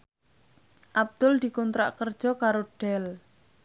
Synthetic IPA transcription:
ʔab̚d̪̥ʊld̪̥i̤kɔnt̪ɾa̰ʔkərd̥ʒ̥ɔkaɾoɖ̥ɛl

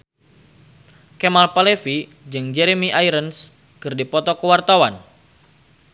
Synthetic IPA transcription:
kɛmalpalefi | d͡ʒɨŋd͡ʒɛɾemiʔaiɾəns | kɨrdipɔt̪ɔkəwart̪awan

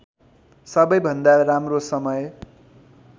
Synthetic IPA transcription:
sʌbʌjbʱʌnd̪aramrosʌmʌj

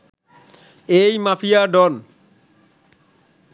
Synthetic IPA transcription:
ejmafijaɖɔn

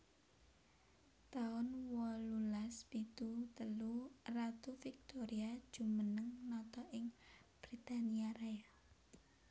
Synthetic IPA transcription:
t̪aʊnwɔlulaspit̪ut̪əlurat̪ufik̚t̪ɔɾiad̥ʒ̥ṳmənəŋnɔt̪ɔʔɪŋb̥ɾit̪aniaɾaa

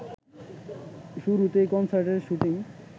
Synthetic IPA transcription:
ʃuɾut̪ekɔnsaɾʈeɾʃuʈiŋ

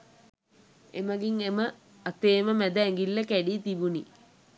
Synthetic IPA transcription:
ḛməɡiŋemə | at̪eːməmæd̪əeŋɡilːəkæɖiːt̪ibuni

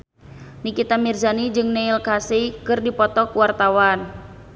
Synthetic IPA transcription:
nikit̪amirzanid͡ʒɨŋneilkasikɨrdipɔt̪ɔkuwart̪awan

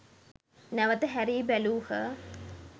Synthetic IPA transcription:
nɐʋɐt̪əɦæɾiːbɛluːhə

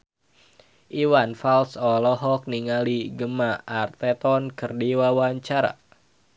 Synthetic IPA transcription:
ʔiwanfalsɔlɔɦɔk̚niŋaliɡəmaːrt̪ɛt̪ɔnkərdiwawaɲt͡ʃaɾa̰

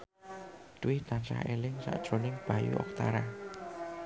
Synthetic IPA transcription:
t̪wɪht̪ansa̰elɪŋsa̰ʔd̥ʒ̥ɾonɪŋb̥a̤jṵʔɔ̰k̚t̪aɾa

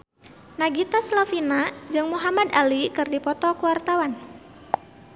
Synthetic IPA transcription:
naɡit̪aslafinad͡ʒɨŋmuɦamad̪alikɨrdipɔt̪ɔkuwart̪awan

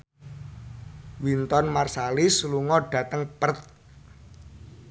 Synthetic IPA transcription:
wint̪ɔnmarsalisluŋɔɖ̥ä̤t̪əŋpərt̪̚

